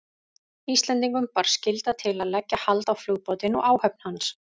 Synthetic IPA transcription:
ist̪lɛnt̪̬iŋkʏmpaɾ̥scɪlt̪at̪ʰɪlaðlɛcːahalt̪awfluɣpɔwt̪ɪnɔ̰ɣaːwhœp̚n̥hans

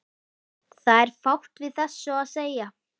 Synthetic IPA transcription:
θaðɛɾ̥fawht̪vɪðθɛsːʏaðseːja

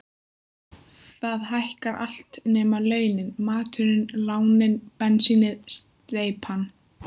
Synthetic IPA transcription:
θaðɦajhkaɾʔa̰l̥t̪nɛːmalœːɥnɪnmaːt̪ʏɾɪnlaːwnɪnpɛnsinɪðst̪eːjpʰan

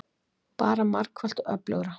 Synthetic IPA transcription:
paːɾamar̥kʰval̥t̪ɔœ̰plœ̰ɣɾa

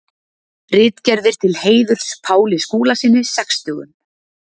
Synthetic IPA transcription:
rɪːt̪cɛɾðɪɾ̥t̪ʰɪlheːjðʏɾ̥spʰaːwlɪskuːlasɪːnːɪsɛkst̪ʏːɣʏ̰n

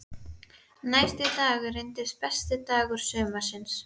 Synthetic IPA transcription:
naːjst̪ɪθaːɣɪrɪjnt̪ɪspɛst̪ɪt̪aːɣʏɾ̥sœːmḁsɪns

